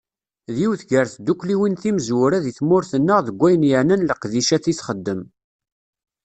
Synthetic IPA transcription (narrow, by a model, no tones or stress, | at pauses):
ðiwθɡəɾθd̪ukːliwinθimzwɾæðiθmʊɾθənːəʁðəɡʷæjənjəʕnənləqðiʃæθisχəd̪ːəm